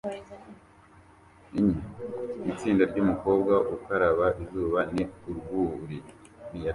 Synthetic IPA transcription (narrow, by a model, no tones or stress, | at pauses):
iɲiit͡siːndaɾɟumuko̞ːbɡaʔukaɾaβaʔizuːβaniuɾɡuɾi | nija